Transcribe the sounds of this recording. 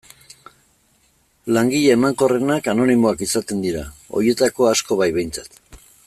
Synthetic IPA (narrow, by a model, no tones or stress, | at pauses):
laŋɡiʎeemaŋko̞re̞nakano̞nimo̞akisat̪e̞nd̪iɾao̞̰je̞t̪ako̞asko̞βajβe̞jnt͡sḁt̪